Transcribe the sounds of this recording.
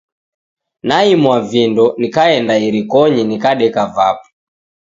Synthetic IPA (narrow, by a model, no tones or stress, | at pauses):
naimwavjɛndɔnikaɛndaiɾikɔɲinikaɗɛkavap̚ɔ̥